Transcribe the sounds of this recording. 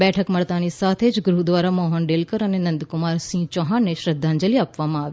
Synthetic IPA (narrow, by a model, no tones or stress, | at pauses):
bɛːʈʰəkməɭt̪anisat̪ʰed͡ʒɡɾud̪ʋaːɾamɔɦənɖeːlkəɾənenə̃nd̪kʊmaːɾsĩt͡ʃɔɦãneʃɾəd̪ʱːãnd͡ʒəliaːpʋamãaːʋe